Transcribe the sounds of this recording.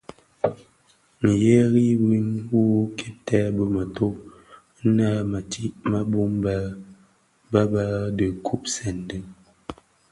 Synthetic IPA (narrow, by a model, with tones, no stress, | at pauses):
ŋ̩˨je˦ɣi˦wi˦ŋwu˦kʰɛ˦tɛ˦bə˨mə˨to˦ | na˦ma˨tʰi˦ʔma˦bu˦mba˦ | ba˦ba˦də˨kʰu˦p̚sɛ˨n˨də˦